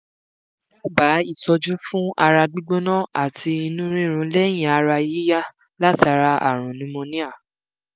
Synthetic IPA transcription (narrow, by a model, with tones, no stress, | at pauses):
la˦ba˨˦i˦˨tɔ˧d͡ʒu˦fũ˦a˧ɾa˧ɡ͡bi˦ɡ͡bõ˦nã˦˨a˨tʰi˧i˧nũ˦ɾ̃ĩ˦˨ɾ̃ũ˧˦lɛ˦j̃ĩ˦a˧ɾa˧ji˦ja˦ | la˦ta˧ɾa˧ʔa̰˨ɾ̃ũ˨nĩ˦mõ˧nĩ˦a˦˨